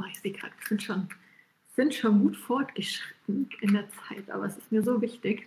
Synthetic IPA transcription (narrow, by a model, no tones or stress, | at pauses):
ʔaːɪçz̥eːkʁ̥a̰kz̥ɪntʃoːn | z̥ɪntʃoːnɡuːtfɔɐtɡ̥əʃʁ̥ɪ̥tn̩ʔɪndeːɐt͡saɪtʔa̰ːbɐɛsɪstmiːɐzoːvɪçtɪç